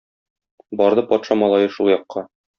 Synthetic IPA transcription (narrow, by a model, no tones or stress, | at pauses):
bɒɾd̪ɤpɒt̪ʃɑmɒlˠɑjɤʃulˠjɒqːɑ